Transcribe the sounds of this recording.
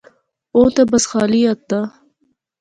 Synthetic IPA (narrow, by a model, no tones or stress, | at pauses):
oːt̪ɐbɐsxɑːliat̪ːa